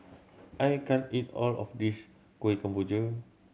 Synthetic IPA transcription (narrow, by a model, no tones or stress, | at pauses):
ʔajkɛ̃nitɔ̰lɔ̰fdis | koekãmpud͡ʒə